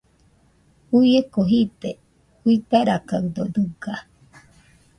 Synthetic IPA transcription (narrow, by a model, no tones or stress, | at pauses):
ujekoɦit̪e | hʷiit̪aɾakaɯd̪od̪ɨɡa